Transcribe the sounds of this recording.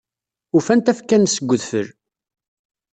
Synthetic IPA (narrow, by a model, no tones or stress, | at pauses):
ʊfænt̪æfkːænsəɡʷːəðfəɾ